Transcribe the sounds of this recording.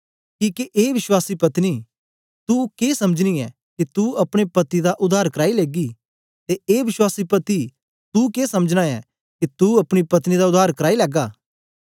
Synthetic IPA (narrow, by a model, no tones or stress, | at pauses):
kiːkiʔeːʋɪʃwaːsipɐt̪niː | t̪ukeːsɐməd͡ʒniɛ | kit̪uɐpɽ̃epɐt̪id̪aʔʊd̪aːɾkɐɾaːileːɡi | t̪eeːʋɪʃwaːsipɐt̪i | t̪ukeːsɐməd͡ʒnaɛ̰ | kit̪uɐpɽ̃ipɐt̪nid̪aʊd̪ʱaːɾkɐɾaːilɛːɡaː